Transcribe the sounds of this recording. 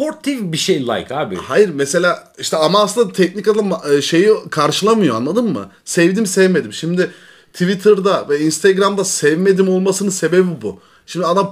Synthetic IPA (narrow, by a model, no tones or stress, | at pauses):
poɾt̪ʰːivbiʃejlˠa̰jkaːbɪ̰hajiɾmese̞lʲaː | iʃt̪ʰɛamaːslɯnd̪at̪ʰɛc̚nikad̪aaʃe̞jikʰaɾʃɯlˠamɯjoanlˠad̪ɯmːɯ̰ | sɛvd̪imsɛvme̞d̪imʃimd̪ɪ | t̪ʰivit̪ʰɯɾd̪avɛinst̪ʰaɡɾamd̪asɛvme̞d̪imo̞lˠmasɯnɯse̞be̞bibu | ʃimd̪iad̪am